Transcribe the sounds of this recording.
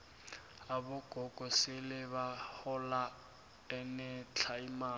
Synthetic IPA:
abʊɡ̥ʱɔkʼɔsɪlɪβahɔla | ɛnɛt͡ɬʰaimaː

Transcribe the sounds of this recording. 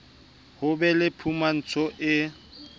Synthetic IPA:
hʊbɛlɪpʰuman̩t͡sʰɔʔɪ

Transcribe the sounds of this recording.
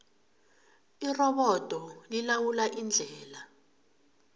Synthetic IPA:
irɔɓɔd̥ʱɔlilawulaʔind͡ɮʱɛːla

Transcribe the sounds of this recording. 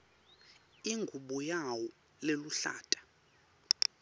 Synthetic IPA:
iŋɡʱuɓɔjawɔ | leluɬa̰ːtʼḁ

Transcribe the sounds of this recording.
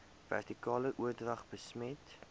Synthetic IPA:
væ̰rtikɑːləʔuərdrɐχbəsmɛt

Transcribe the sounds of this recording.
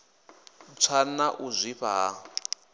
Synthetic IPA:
t͡sʰanaʔuzʷiɸa

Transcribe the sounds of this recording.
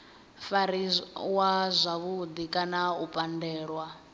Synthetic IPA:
faɾiwazʷaβud̪ikʼanaupʼandɛːɺwa

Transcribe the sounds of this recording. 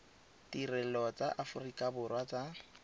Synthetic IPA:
tirɛl̩ɔt͡saʔafʊrikʼabʊrwat͡sa

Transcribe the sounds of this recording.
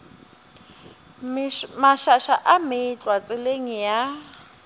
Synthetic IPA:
maʃaʃaʔameit͡ɬʼwat͡sʼɪleŋ̩ja

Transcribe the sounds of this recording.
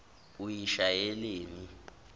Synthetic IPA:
ujiʃajɛleːni

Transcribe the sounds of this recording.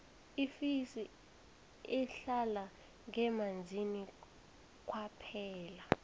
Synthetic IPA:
ifisi | ɛɬala | ŋɛmand͡zʱini | k̬ʼwapʰɛːla

